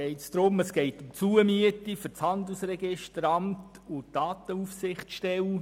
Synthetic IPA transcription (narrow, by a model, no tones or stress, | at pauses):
ɛɪtsd̥ɾʊməsɡ̥ɛɪtʊmmt͡suəmyətifʏɾt͡shɑnd̪l̩sɾɛɡɪʃtəɾɑmtʊtd̥ɑːtəufsɪχtʃtɛl